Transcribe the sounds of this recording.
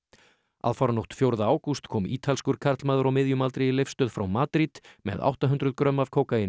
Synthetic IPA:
a̰ðfaɾnoht̪fjowɾðaaːwkust̪kʰɔːmiːt̪ʰalskʏɾ̥kʰaɾt̪lmaːðʏɾawmɪðjʏmalt̪ɾɪɪlejfst̪œːðfɾawmaːt̪ɾit̪mɛ̰ða̰wht̪aɦʏnt̪ɾʏðkɾœmːavkʰoːwkajɪn

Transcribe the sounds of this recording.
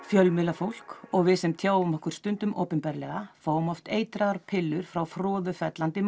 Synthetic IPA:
fjœlmɪlafowl̥kɔɣvɪðsɛmt̪ʰjaːwʏmɔhkʏɾ̥st̪ʏnt̪ʏmʔo̰ːwpʏnpɛɾlɛɣafaːwʏmɔft̪eːjt̪ɾaɣaɾpʰɪlːʏɾ̥fɾawfɾɔːðʏfɛt̪lant̪ɪ

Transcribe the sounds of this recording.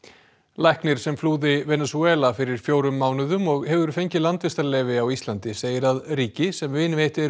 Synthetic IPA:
lajhknɪɾ̥sɛmfluːðɪvɛnasuɛːlafɪɾɪɾ̥fjoːwɾʏmːaːwnʏðʏmɔɣhɛvʏɾfejɲcɪlant̪vɪst̪alɛvɪawist̪lant̪ɪseːjɪɾaðɾiːcɪsɛmvɪnveht̪ɛ

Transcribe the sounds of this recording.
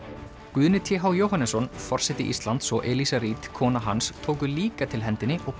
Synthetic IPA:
kʏðnɪt̪ʰɛɦawjoːwɦanɛsɔnfɔr̥sɛt̪ːɪʔḭst̪lant̪sɔʔɛlisaɾiːt̪kʰɔːnaɦanst̪ʰoːwk̬ʏliːkat̪ʰɪlɦɛnt̪ɪnːɪʔɔɣ

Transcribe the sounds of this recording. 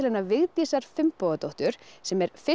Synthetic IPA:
lɛnavɪɣt̪iːsaɾ̥fɪmpoːɣat̪oht̪ʏɾ̥sɛmɛɾ̥fɪ

